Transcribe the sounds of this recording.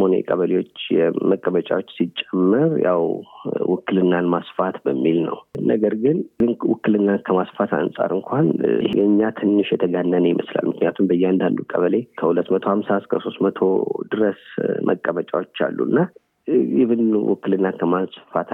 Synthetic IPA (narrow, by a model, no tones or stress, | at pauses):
monḛkʼəβəlewo̞t͡ʃːjɛməkʼːəmət͡ʃʼawo̞t͡ʃːsit͡ʃʼːɛmːɨɾja̰wwɨkːɨlɨnːalmasfat̪bəmːilnə̰wnəɡəɾɡɨnɨnwʊ̰kːɨlɨnːakʰəmasfat̪a̰nsʼa̰ɾɨŋkʷʰanʔhejɲːat̪ʰɨnːɨʃjɛt̪ʰəɡanːənəjɪmʔəsla̰lmɨknijat̪ʰumbəjːɛand̪and̪ukʼə̰βəle̞kʰəhulət̪ːmət̪ʰohamsaskʰəso̞st̪mət̪ʰo̞̰d̪ɨɾəsmʔə̰kʼːəmət͡ʃʼawot͡ʃːa̰lːṵɨnːa | jɪβɨnwɨ̰kːɨlɨnːakʰəmasfat̪